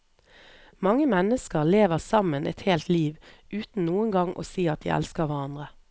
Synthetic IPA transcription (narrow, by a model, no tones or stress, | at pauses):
mɑŋːəmɛnəskəʁleːʋəʁsɑmənʔɛ̰t̪heːlt̪liːʋʔʉːt̪n̩nuːənɡɑŋʔo̰ːsiːɑt̪̚d̪ḭːʔɛ̰lskəʁʋæʁɑnd̪ʁə